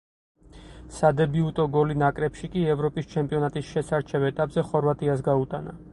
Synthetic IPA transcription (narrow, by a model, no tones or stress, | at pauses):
sad̪ɛbiut̪ʼɔɡɔlinakʼɾɛpʃikʼiɛvɾɔpʼist͡ʃʰɛmpʼiɔnat̪ʼisʃɛsaɾt͡ʃʰɛvɛt̪ʼapʼz̥ɛχɔɾvat̪ʼiasɡaut̪ʼana